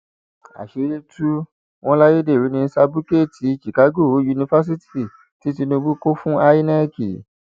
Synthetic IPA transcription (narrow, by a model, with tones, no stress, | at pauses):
a̰˨ʃe˨˦e˦tu˦ | w̃ɔ̃˦la˦je˦de˦˨ɾi˨˦nĩ˧n̩˦sa˧bu˦ke˦˨tʰi˨˦˧ʃi˨ka˨˦ɡo˦˨o˨˦ju˧nĩ˧fa˦s̬i˦ti˦˨ | ti˨˦ti˧nũ˧bu˦ko˦fũ˦a˧ji˦na˦˨kḭ˨